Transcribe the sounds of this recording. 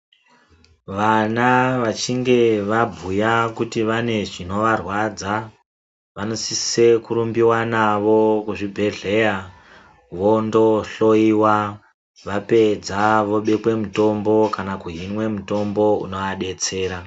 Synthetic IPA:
ʋanaʋat͡ʃiŋɡe̞ʋabʱujakutiʋane̞ʐino̞ʋarwad͡za | ʋano̞sise̞kuɾumbiwanaʋo̞kuʐibʱe̞ɮe̞ja | ʋo̞ndo̞ɬo̞iwa | ʋape̞d͡zaʋo̞ɓe̞kwe̞muto̞mbo̞kanakuɦinwe̞muto̞mbo̞ṵno̞aɗe̞t͡se̞ːɾa

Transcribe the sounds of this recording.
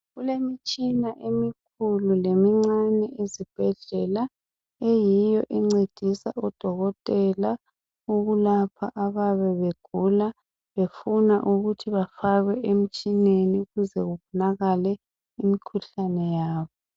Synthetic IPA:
ɣulemit͡ʃʼinaʔemikʰululemiŋ͡ǀanɛezib̥ʱɛɮɛla | ejijɔʔiŋ͡ǀed̥ʱisa̰ɔd̥ʱɔɣɔtʼɛla | uɣulapʰa̰ʔaβaβɛβeɡ̥ʱula | βefunaʔuɣutʰiβafaɣwɛʔem̩t͡ʃʼineniɣuzɛɣuβɔnaɣalɛ | imikʰuɬanɛjaːβɔ

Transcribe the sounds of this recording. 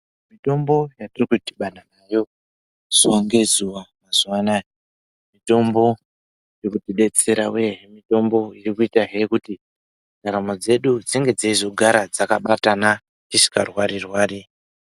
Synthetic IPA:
mito̞mbo̞jatirikutiɓananajo̞ | z̥oŋɡe̞zuwamazuwana | mito̞mbo̞ | jekutiɗe̞t͡se̞ɾawueɦemito̞mbo̞irikuitaɦekuti | daɾamod͡ze̞ɗud͡ziŋɡe̞d͡zaizo̞ɡʱaɾad͡zakaɓatana | t͡ʃiʃi̥karwaɾirwaːɾi

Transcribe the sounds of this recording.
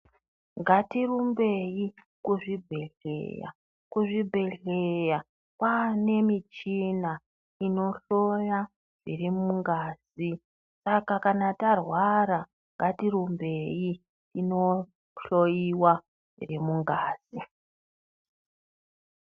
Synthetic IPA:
ŋɡatirumbe̞ji | kuʐibʱe̞ɮḛja̰ | kuʐibʱe̞ɮeja | pane̞mit͡ʃina | ino̞ɬo̞ja | ʐ̥irimuŋɡaːz̥i | sakakanatarwaɾa | ŋɡatiɾumbe̞ji | tino̞ | ɬojiwa | ʐ̥ḭrimuŋɡaːz̥i

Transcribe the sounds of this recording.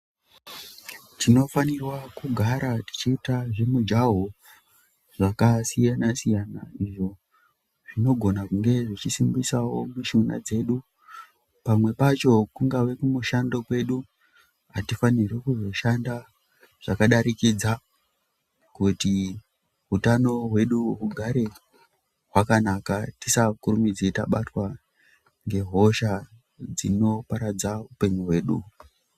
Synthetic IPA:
tino̞fanirwakuɡʱaɾati̥t͡ʃiːtaʐe̞mud͡ʒaɦo | ʐakasijanasijana̰iʐo̞ | ʐ̥ino̞ɡʱo̞nakuŋɡe̞ʐit͡ʃisimbisawo̞muʃuna̰d͡ze̞ɗu | pamwe̞pat͡ʃo̞kuŋɡaʋe̞kumuʃando̞kwe̞ɗu | ɦatifanirwekuzo̞ʃanda | ʐ̥akaɗaɾikid͡za | kuti | ɦutano̞ɦwe̞ɗuɦuɡʱaɾe̞ | ɦwakanakatisakurumid͡zita̰ɓatwa | ŋɡe̞ɦo̞ʃa | d͡zino̞paɾad͡zaɦupe̞ɲiɦwe̞ːɗṵ

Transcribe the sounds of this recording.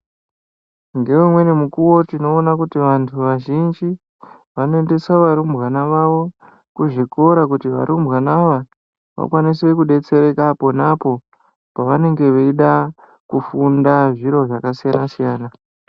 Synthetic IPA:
ŋɡe̞ʋumwe̞nimukuwo̞tino̞ːnakutiʋantʰuʋaʒind͡ʒi | ʋanoende̞saʋaɾumbɣanaʋaʋo̞ | kuʐiko̞ɾakutiʋa̰ɾʔumbɣanaʋa | ʋa̰kwanise̞kuɗe̞t͡se̞ɾe̞kapo̞napo̞ | paʋane̞ŋɡe̞ʋeiɗa | kufundaʐiɾo̞ʐakasijanasijaːna

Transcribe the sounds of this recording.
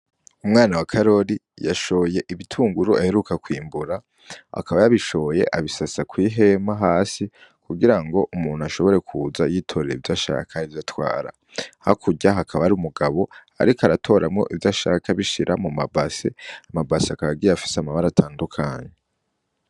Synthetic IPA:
umŋaːnawakʰaɾo̞ɾi | jaʃo̞je̞ʔiβitʰuːŋɡuɾuahe̞ɾukakwiːmbuɾa | a̰kʰaβajaβiʃo̞oje̞̰ʔaβisasakwiːɦe̞maɦaːsi | kuɡiɾaŋɡo̞ʔumuːnuaʃo̞βo̞ɾe̞kʰuzajiːtʰo̞ɾeivjaʃa̰kʰaivjatwa̰ːɾa̰ | ha̰kʰuɟaɦakʰaβaɾiumuɡaβo̞a̰ɾikoaɾatʰo̞ːɾamŋo̞̰ʔivjaʃa̰kʰaβiʃiɾʔamumabasḛamabasakaβaɡiɾaafi̥seamaβaɾatʰaːndukʰaːɲe

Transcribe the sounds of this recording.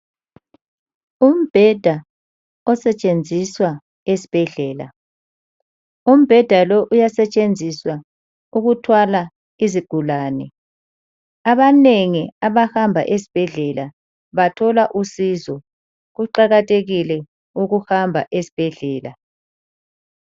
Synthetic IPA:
um̩b̥ʱɛd̥ʱa | ɔsɛt͡ʃʼend͡zʱiswa | esi̥b̥ʱɛɮɛːla̰ | um̩b̥ʱɛd̥ʱalɔʔujasɛt͡ʃʼend͡zʱiswa | uɣutʰwala | iziɡ̥ʱulaːnɛ | aβaneŋiaβahambʱa̰ʔesi̥b̥ʱɛɮɛla | βatʰɔlaʔusizɔ | ɣuǃaɣatʰʼeɣilɛ | uɣuhambʱa̰ʔesi̥b̥ʱɛɮɛːla̰

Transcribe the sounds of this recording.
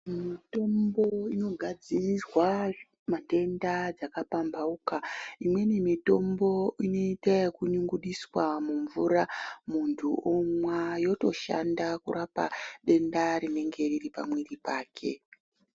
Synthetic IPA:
mito̞mbo̞ino̞ɡʱad͡zirirwa | mate̞ndad͡zakapambaukaimwe̞nemito̞mbo̞ino̞itekuɲuŋɡuɗiswamuɱvuɾamuntʰuʔomwajo̞to̞ʃa̰ndakṵrapa̰ɗe̞ndaɾine̞ŋɡe̞riripa̰mwiripaːkʰe̞̰

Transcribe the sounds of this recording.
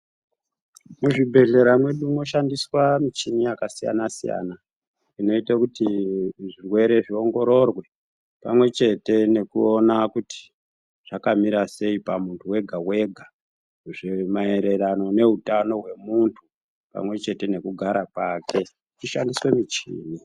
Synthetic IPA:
muʐibʱe̞ɮe̞ɾamwe̞ɗuno̞ʃandiswamit͡ʃinijakasija̰nasija̰na | ino̞itakutiʐirwe̞ɾe̞ʐio̞ŋɡo̞ɾo̞rwe̞ | pamwe̞t͡ʃe̞te̞ne̞kuonakuti̥ | ʐ̥akamiɾase̞ipamuntʰuwe̞ɡʱawe̞ɡʱa | ʐemae̞ɾeɾano̞ne̞ɦutano̞ɦwe̞muntʰu | pa̰mwe̞t͡ʃe̞te̞ne̞kuɡʱaɾakake̞ | t͡ʃiʃandiswe̞mit͡ʃḭːni

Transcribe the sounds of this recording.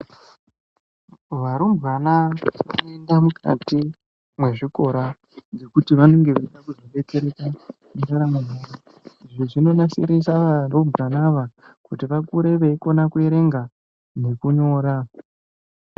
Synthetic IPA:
ʋaɾumbanaʋanoendamukʰa̰ti | mwe̞ʐiko̞ɾa | nd͡ze̞kutiʋano̞ŋɡe̞ʋeɗakuzoɓe̞t͡se̞ɾeka | uŋɡaɾamumuɾa | iʐoʐino̞nasḭɾisaʋarombranaʋa | kutiʋakuɾe̞ʋeiko̞nakue̞ɾe̞ŋɡa | ne̞kuɲo̞ːɾa

